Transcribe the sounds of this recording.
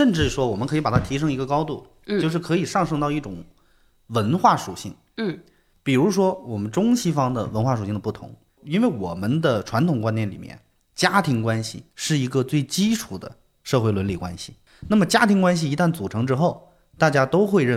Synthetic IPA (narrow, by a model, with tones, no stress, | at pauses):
ʂə˥˧nʈ͡ʂɻ̩˥˩ʂwɔ˥wɔ˨˩mə˦nkʰɤ˧˥i˧˥pa˨˩t̪ʰa˥t̪ʰi˧˥ʂ̬ɤ˥ŋi˧˥ɡə˧kɑ˥ʊt̪u˥˩ | jo˥˧ʊʂɻ̩˥˩kʰɤ˧˥i˨˩ʂɑ˥˧ŋʂɤ˥˧ŋt̪ɑ˥˧ʊi˥˩ʈ͡ʂʊ˨˩˦ŋ | wə˧˥nxwa˥˩ʂu˨˩ɕḭ˥˩ŋ˥˩ | pi˨˩ɻu˧˥ʂwɔ˥wɔ˨˩mə˦nʈ͡ʂʊ˥ŋɕi˥fɑ˥ŋd̪ə̰˨wə˧˥nxwa˥˩ʂu˨˩ɕi˥˩ŋd̪ə˩pu˥˩t̪ʰʊ̰˧˥ŋ | i˥nwe˥˩ɪwɔ˨˩mə˦nd̪ə˨ʈ͡ʂʰwa˧˥nt̪ʰʊ˨˩ŋkwa˥njɛ˥˩nlḭ˨˩mjɛ̰˥˩n | t͡ɕja˥t̪ʰi˧˥ŋkwa˥nɕḭ˨ʂɻ̩˥˩i˧˥ɡə˧t͡swe˥˩ɪt͡ɕi˥ʈ͡ʂʰu˨˩d̪ə̰˦ | ʂɤ˥˧xwe˥˩ɪlwə˧˥nli˥˩kwa̰˥nɕḭ˨˩ | na˥˩mə˩t͡ɕja˥t̪ʰi˧˥ŋkwa˥nɕ̬i˨˩i˧˥t̪a˥˩nt͡su˨˩ʈ͡ʂʰɤ˧˥ŋʈ͡ʂɻ̩˥xo˥˩ʊ | t̪a˥˩t͡ɕja˥t̪o˥ʊxwe˥˧ɪɻə˥˧˩